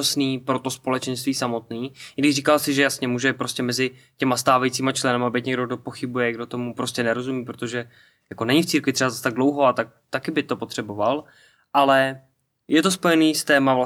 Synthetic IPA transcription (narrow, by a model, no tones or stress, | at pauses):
asniːpɾo̞t̪o̞spo̞lɛt͡ʃɛnst̪viːsamo̞t̪niːjɪɡdɪʒriːkalsɪʒɛjasɲɛmuːʒɛpɾo̞scɛmɛzɪ | cɛmast̪aːvajit͡siːmat͡ʃlɛnamabɛt̪ɲɛɡɾdoɡ̚do̞po̞xɪbujɛɡdo̞t̪o̞mupɾo̞scɛnɛɾo̞zumiːpɾot̪o̞ʒɛ | jako̞nɛɲɪft͡siːɾkvɪt̪r̝ɛbazast̪aɡ̚dlowɦoat̪ak̚ | t̪akɪbɪt̪o̞po̞t̪r̥ɛbo̞val | ʔalɛ | jɛt̪o̞spo̞jɛniːst̪ɛːmavla